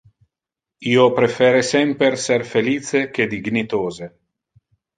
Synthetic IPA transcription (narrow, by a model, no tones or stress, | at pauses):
iːopɾefɛːɾesɛmperserfeliːsek̟ed̪iɡnit̪oːze